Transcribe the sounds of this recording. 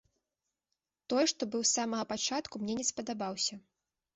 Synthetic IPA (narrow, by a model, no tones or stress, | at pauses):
t̪ɔjɛʂt̪ɔbɨwsamɐɣɐpat͡ʂat̪kumnʲɛnʲɛspɐd̪abawsʲɐ